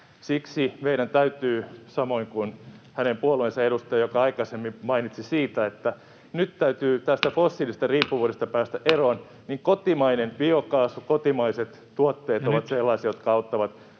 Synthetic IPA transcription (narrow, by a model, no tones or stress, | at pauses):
siksimeiɾænt̪æyt̪yːsɑmoiŋkunhænempuolueːˑnsɑeɾust̪ɑjɑjokɑɑikɑsemːimɑinit̪sisiːt̪æet̪ːæ | nyt̪t̪æyt̪yːt̪æst̪æfosːilisest̪ɑriːpːuʋuːɾest̪ɑpæːst̪æʔeron | niŋkot̪imɑinenʋiokɑːsukot̪imɑiset̪ | t̪uot̪ːeːt̪oʋɑt̪selːɑisiɑjot̪kɑɑut̪ːɑʋɑt̪